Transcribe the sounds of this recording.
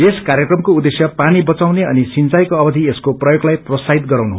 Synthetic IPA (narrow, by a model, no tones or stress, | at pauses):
eskaɾjekrʌmkoud̪esjʌpanibʌt͡sawneʌnisint͡sajkoʌbʌd̪ʱieskoprʌjoɡlajprʌsaɦit̪ɡʌɾawnuɦ